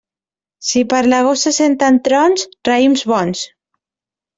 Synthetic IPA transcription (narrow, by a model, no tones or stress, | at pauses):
sipaɾlaɣosasent̪ant̪ɾɔnsraimzβɔns